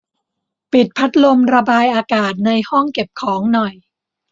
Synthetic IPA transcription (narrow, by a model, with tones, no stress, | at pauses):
pi˨˩t̪̚pʰa˦˥t̪̚lo˧mɾa˧baː˧jʔaː˧kaː˨˩t̪̚na˧jhɔ˥˩ŋke˨˩p̚kʰɔː˩˦ŋnɔ˨˩j